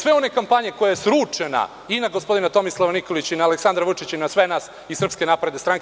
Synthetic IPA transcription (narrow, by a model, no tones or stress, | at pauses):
sʋe̞o̞nekampaɲeko̞jajesɾuːt͡ʂena̰ | inaɡospo̞d̪inat̪o̞mislˠaʋanikolit͡ɕinaːleksand̪ɾaʋut͡ʂit͡ɕinasʋe̞naːs | isr̩pske̞napɾe̞d̪est̪ɾaŋk